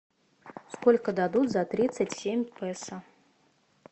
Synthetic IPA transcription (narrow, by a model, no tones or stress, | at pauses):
skolʲkəd̪ad̪ut̪zɐt̪ɾʲit̪sətʲsʲemʲpɛsə